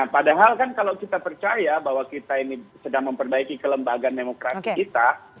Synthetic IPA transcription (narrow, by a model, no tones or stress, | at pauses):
apadaɦalkankalawkit̪apərt͡ʃajabaɦwakit̪ainisədaŋməmpərbaikikələmbaɡandemokɾasiikit̪a